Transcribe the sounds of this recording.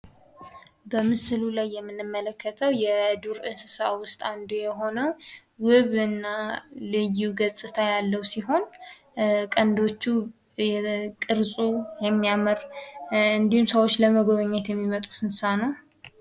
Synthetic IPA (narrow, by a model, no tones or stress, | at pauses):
bəmɨsɨlulajːɛmːɨnːɨmːələkʰːət̪ʰəwjɛd̪uɾʔɨnsɨsawʊst̪ʼand̪ojɛɦo̞nəw | wɨβɨnːalɨjuɡəsʼɨt̪ʰajalːəwsiɦo̞n | kʼənd̪o̞t͡ʃːu | jɛkʼɨɾsʼujɛmːijaməɾ | ɨnd̪ihumsəwo̞t͡ʃːləməɡoβəɲːɛt̪jɛmːimət̪ʼu̥sɨnsanəw